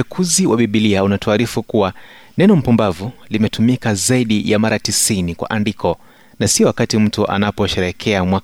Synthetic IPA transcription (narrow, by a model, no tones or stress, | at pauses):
ɛkʰuziwʔaɓiɓiliaunatuaɾifukua | nɛnɔm̩pumbavulimɛtumikazaiɗijamaɾatisinikwa̰ʔandikʰɔ | nasiɔwakatim̩tuʔa̰napɔʃɛɾɛkʰɛamwa